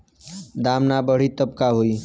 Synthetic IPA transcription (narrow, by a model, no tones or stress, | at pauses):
d̪amnabəɽ̤it̪əb̚kaɦoi